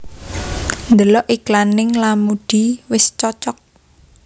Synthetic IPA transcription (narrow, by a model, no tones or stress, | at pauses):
nd̪əlɔʔiklanɪŋlamuɖ̥iwɪst͡ʃɔt͡ʃɔk̚